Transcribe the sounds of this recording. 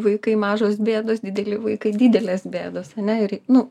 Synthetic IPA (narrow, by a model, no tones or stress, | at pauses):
ʋɐɪkɐɪmɑːʒoːs̬bʲeːd̪oːsdʲɪd̪ʲɛlʲɪʋɐɪkɐɪd̪ʲiːd̪ʲɛlʲeːsbʲeːd̪oːsɐnʲɛɪɾnʊ